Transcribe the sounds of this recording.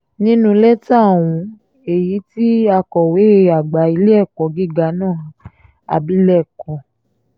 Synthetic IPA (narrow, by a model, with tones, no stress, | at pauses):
nĩ˦nũ˦lɛ˦ta˦˨w̃ũ˧ | e˨ji˨˦ti˦a˧kɔ˨we˨˦e˦˧a˨ɡ͡ba˨i˧˦le˦ɛ˦˨kɔ˨˦ɡi˦˨ɡa˨˦nãː˦˨ | a̰˨bi˨˦lɛ˦˨kɔ˨